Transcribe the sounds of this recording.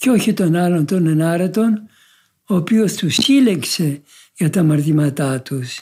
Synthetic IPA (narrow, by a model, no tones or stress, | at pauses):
ceo̞çit̪o̞nɐlo̞nt̪onenɐɾɐt̪o̞n | oːpiost̪usileŋkse̞ | ʝɐt̪ɐmɐɾt̪imɐt̪ɐt̪us